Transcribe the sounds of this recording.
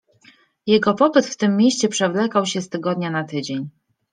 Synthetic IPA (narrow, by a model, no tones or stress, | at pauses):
jɛɡɔpɔpɘt̪ft̪ɘmːjeɕt͡ɕɛpʂɛvlɛkawɕɛst̪ɘɡɔd̪ɲanat̪ɘd͡ʑeɲ